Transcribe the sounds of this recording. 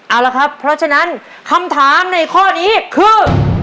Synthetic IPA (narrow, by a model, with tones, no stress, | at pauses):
ʔa˨˩wla˦˥kʰɾa˦˥pʰːɾɔ˦˥t͡ɕʰa˧na˦˥n | kʰa˧mt̪ʰaː˩˦mna˧jkʰɔː˥˩niː˦˥kʰɯː˧